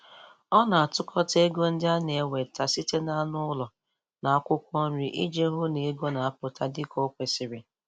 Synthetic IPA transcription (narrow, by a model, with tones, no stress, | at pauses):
ɔ˦na˨a˨tʊ˦kʰɔ˦te˦ɡʷo˦n̩˦dɪ˦a˦ne˨e˨we˨ta˨si˦te˦na˦nʊ˦lɔ˨ | na˨a˦kʷʊ˦kʷɔ˦n̩˦ɾi˨ʔi˦d͡ʒe˦ɦʊ˦ne˨˦ɡo˦na˨a˦pʊ˨ta˦dɪ˦kʰo˦kʷe˨sɪ˨ɾɪ˨